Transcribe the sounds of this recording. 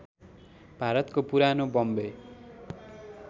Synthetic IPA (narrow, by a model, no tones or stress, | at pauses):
bʱaɾʌt̪kopuɾanobʌmbe